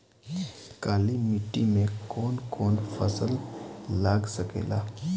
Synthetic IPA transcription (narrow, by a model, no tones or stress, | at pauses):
kalimiʈimekonkʰoɳfə̰səllaɡsəkḛla̰